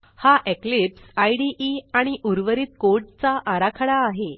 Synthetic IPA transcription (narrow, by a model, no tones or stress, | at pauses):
haʔeklipsajɽiʔiaɽ̃iʔuɾʋəɾiːt̪̚koʈ̚t͡saʔaɾakʰaɽaːɦe